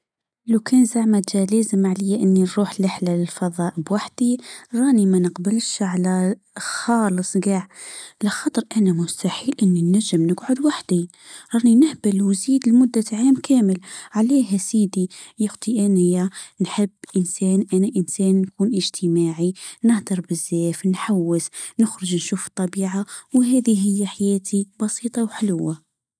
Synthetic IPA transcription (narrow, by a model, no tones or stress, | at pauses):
lawkʰæːnzaʕmaʒaleːzɪmaʕlɪjːaʔɪnːinɾuːħlɪħlalɪlfɑðˤɑːʔəbwaħd̪̥iɾˤɑːnimænəqbɪlʃʕala | xɑːlɨsˤɡaːʕlaxɑt̪ˤɨɾˤʔanamʊst̪aħiːlʔɪnːinːæʒːɪmnɪɡʕʊd̪waħd̪i | ɾˤɑːninɪhbɪlwziːd̪lmʊd̪ːaʕaːmkʰæːmɪlʕaliːɦæsiːd̪ijʊxt̪ˤiʔænɪjːanħəbːʔənsæːnʔænæʔənsæːnːkuːnʔəʒt̪ʰəmaːʕinəhd̪ɨɾˤbəzːæfnħawːəsnəxɾəʒnʃuːft̪ˤːɑbiːʕawɦæːd̪iɦɪjːæħajæːt̪ʰibɑsiːt̪ˤɑwħəlʊwːa